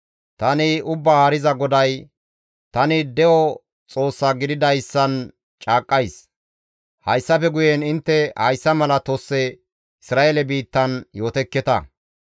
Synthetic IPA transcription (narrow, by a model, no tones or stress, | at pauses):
t̪ɐnɪʊbːahɐɾɪzɐɡɔd̪ɐj | t̪ɐnɪd̪ɛʔɔ | t͡sʼo̞ːsːɐɡɪd̪ɪd̪ɐjsːɐn | t͡ʃʼaːkʼːɐjs | hɐjsːɐfɛɡʊjɛnɪnt̪ːɛhɐjsːɐmɐlɐt̪osːɛ | ɪsɾaːelɛbiːt̪ːɐnjo̞ːt̪ɛkːɛt̪ɐ̰